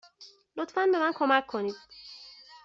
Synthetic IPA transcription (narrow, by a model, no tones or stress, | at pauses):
lot̪fænbe̞mænkʰo̞mækʰːoniːd̪̥̚